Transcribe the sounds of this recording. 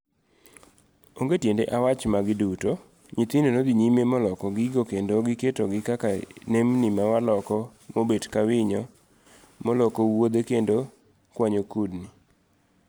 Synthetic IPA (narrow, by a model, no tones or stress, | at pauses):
oŋɡetjendḛʔawat͡ʃmaɡɪduto | ɲit̪inonod̪iɲimemɔlɔkɔɡɪɡokendoɡɪketoɡɪkakanemnimawalɔkɔmobedkawɪɲɔ | mɔlɔkowod̪ekendo | kwaɲokudni